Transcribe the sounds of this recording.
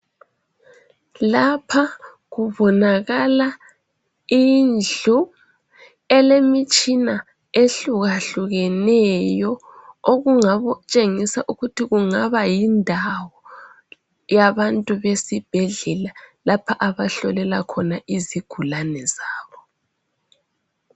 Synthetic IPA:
lapʰa | ɣuβɔnaɣala | ind͡ɮu | ɛlemit͡ʃʼina | eɬuɣaɬuɣɛnɛjɔ | oɣuŋaβɔt͡ʃʼeŋisaʔuɣutʰiɣuŋaβajindʱawɔ | jaβantʼuβesib̥ʱɛɮɛlalapʰaʔaβaɬɔlɛlakʰɔnaʔiziɡ̥ʱulanɛzaːβɔ

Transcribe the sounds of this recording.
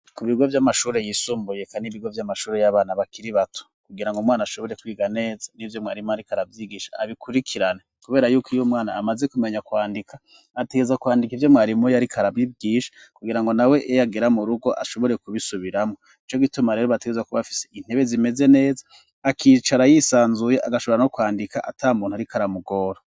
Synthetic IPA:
kuβiɡo̞vjamaʃuːɾe̞jiːsuːmbuje̞kaniβiɡo̞vjamaʃuːɾe̞jaβaːnaβakiɾiβatʰo̥kuɡiɾaŋɡomŋwaːnaʃo̞βo̞ɾe̞kwiːɡane̞ːzanivjo̞mŋaːɾimuaɾikaɾavjiɡiʃḁːβikuɾikʰiɾanekuβe̞ːɾajuːkijomŋaːna̰ːmaze̞kume̞ɲakwaːndikʰaː | te̞ɡe̞zakuwaːndikivjo̞mŋaːɾimujaɾikʰaɾavibɡiːʃḁ | kuɡiɾaŋɡo̞nawe̞ʔejaɡeɾamuɾuɡo̞ʔa̰ʃo̞βo̞ɾe̞kuβisuβiɾamo̞ | it͡ʃo̞ɡitumaɾeːɾoβateɡezwakuβafi̥sein̥e̞βe̞zime̞ze̞ne̞ːzaː | kʰiːt͡ʃaɾajisaːnzujeʔaɡaʃo̞βoɾano̞kwaːndikaʔa̰tʰaːmuːn̥huaɾikaɾamuɡo̞ːɾo

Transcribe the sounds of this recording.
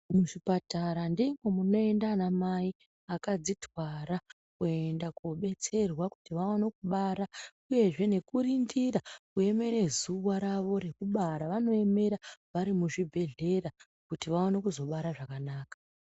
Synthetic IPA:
muʐipataɾandiŋomuno̞e̞ndanamai | akad͡zitwaɾa | kue̞ndakoɓe̞t͡se̞rwaku̥tiʋawanekuɓaɾa | uje̞ʐe̞ne̞kurindirakue̞me̞ɾe̞zuwaɾaʋo̞ɾe̞kuɓaɾaʋano̞e̞me̞ɾaʋaɾimuʐibʱe̞ɮe̞ra | kutiʋawonekuzo̞ɓaɾaʐakanaːkḁ

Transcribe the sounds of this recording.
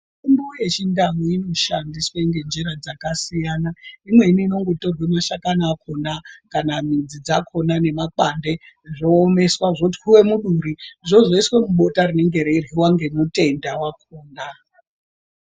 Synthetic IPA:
imbuje̞t͡ʃindamuino̞ʃandiswaŋɡe̞nd͡ʒeɾad͡zakasijanaimwe̞iniːno̞ŋɡoto̞ɡʱemaʃakanaːkʰo̞nakanamid͡zid͡zakʰo̞nane̞maǃande̞ | ʐo̞ːme̞swaʐokuti̥kuwe̞muɗuɾiʐo̞ʐo̞iswe̞muɓo̞tarine̞ŋɡe̞ɾeriwaŋɡe̞mute̞ndawakʰoːna

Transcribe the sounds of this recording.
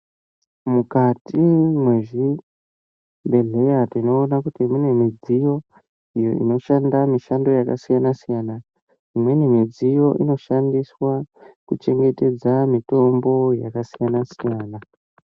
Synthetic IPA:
mukatimweʐi | mbe̞ɮe̞jatiino̞ːnakutimune̞mid͡zijo̞ | ijo̞̰ʔḭno̞ʃandamiʃando̞jakasijanasijana | imwe̞nemid͡zijo̞ʔino̞ʃandiswakut͡ʃe̞ŋɡe̞te̞d͡zamito̞mbo̞jakasijanasijaːna

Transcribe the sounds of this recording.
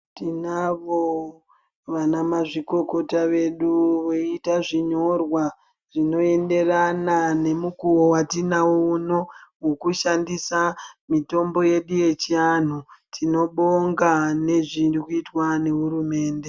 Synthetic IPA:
tinaʋo | ʋanamaʐiko̞ko̞taʋe̞ɗuʋoitaʐiɲo̞rwa | ʐino̞e̞nde̞ranane̞mukuwowatinawouno̞wokuʃandisamito̞mbo̞je̞ɗuje̞t͡ʃian̤utʰino̞ɓoŋɡane̞ʐirikuitwane̞ɦuɾume̞ːnde̞

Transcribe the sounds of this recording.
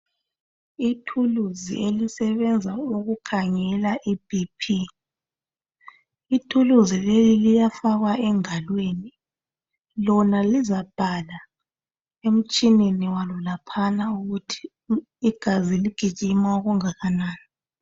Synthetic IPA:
itʰuluzḭʔelisɛβɛnd͡zʱauɣukʰaŋɛlaʔibipʰi | itʰuluzilelilijafaɣwaɛŋalweni | lɔnalizab̥ʱala | em̩t͡ʃʼineniwalɔlapʰanauɣutʰi̥ː | ɡ̥ʱaziliɡ̥ʱiʒ̥ʱimauɣuŋaɣanaːna

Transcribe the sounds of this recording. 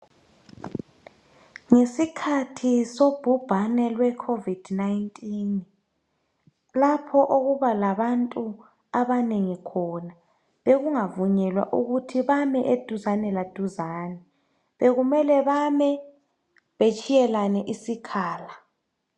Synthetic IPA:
ŋesikʰatʰisob̥ʱub̥ʱanɛlwɛkʰovid̥ʱnaintʼin | lapʰɔʔoɣuβalaβantʼu | aβaneŋikʰɔna | βeɣuŋavuɲɛlwa̰ʔuɣutʰiβamɛʔed̥ʱuzanɛlad̥ʱuzaːnɛ | βeɣumɛlɛβamɛ | βet͡ʃʼijɛlanɛʔisikʰaːla

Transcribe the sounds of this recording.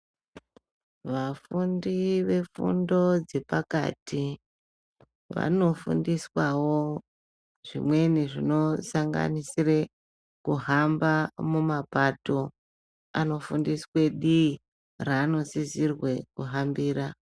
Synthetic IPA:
ʋafundiʋe̞fṵndo̞d͡ze̞paka̰tʰi | ʋa̰no̞fṵndiswawo | ʐ̥ḭmwe̞niʐino̞saŋɡa̰nisire | kuɦambamumapato̞ | a̰no̞fundiswe̞ɗi | raːno̞sizirwe̞kuɦambiːɾa

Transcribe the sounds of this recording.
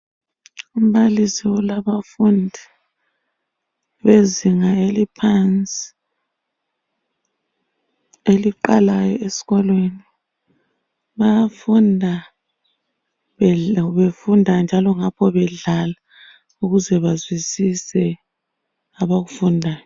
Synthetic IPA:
um̩balisiwɔlaβafundʱi | βeziŋaelipʰant͡sʼi̥ | eliǃalajɔesi̥ɣɔlweni | βafundʱa | βefundʱand͡ʒʱalɔŋapʰɔβɛɮala | uɣuzɛβazwisisɛ | aβaɣufundʱaːjɔ

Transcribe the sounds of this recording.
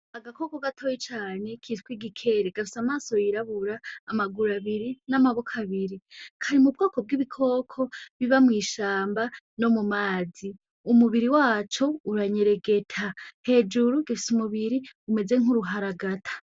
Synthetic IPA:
aɡakʰo̞ːkoɡatʰo̞ːjit͡ʃaːne̞kʰitkwiɡikʰe̞ɾeɡ̥afusamaːso̞jiɾaβuɾaːmaɡuɾaβiɾinamaβokʰaβiɾikʰaɾimub̚ɡo̞ːko̞b̚ɡiβikʰo̞ːkʰo̞βiβamŋiːʃaːmba | no̞mumaːzi | umuβiɾiwaːt͡ʃo̞uɾaɲe̞ɾe̞ɡe̞tʰahe̞ːd͡ʒuɾuɡifi̥sumuβiɾiume̞d͡ze̞ŋuɾuɦaɾaɡatʰḁ

